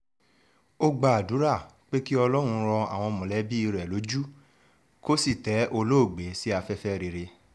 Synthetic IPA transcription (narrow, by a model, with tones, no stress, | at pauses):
o˦ɡ͡ba˧˨a˨du˨˦ɾa˦˨ | k͡pe˦ki˦ɔ˧lɔ˦ɾ̃ũ˧ɾɔ˧a̰˨w̃ɔ̃˧mɔ̃˨lɛ˨˦bi˦i˧ɾɛ˨lo˨˦d͡ʒu˦ | ko˦si˦˨tɛ˨˦o˧lo˦o˦˨ɡ͡be˨˦si˦a˧fɛ˦fɛ˦ɾe˧ɾe˧